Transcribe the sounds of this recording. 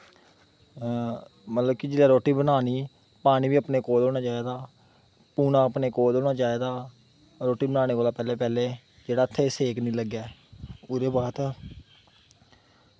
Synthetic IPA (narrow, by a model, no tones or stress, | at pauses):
mət̪ləbkɪd͡ʒɪlaːɾoːʈiːbənaːniː | paːɽ̃iːʋiːəpneːkoːld̪oːnaːt͡ʃaːeːd̪aː | puːnãːəpneːkoːd̪oːnaːt͡ʃaːeːd̪aː | ɾoːʈiːbənãːñeːkoːlaːpɛːleːpɛːleː | d͡ʒeːɽaːət̪ʰːeːseːknĩːləɡɛːʊɾeːbaːt̪ː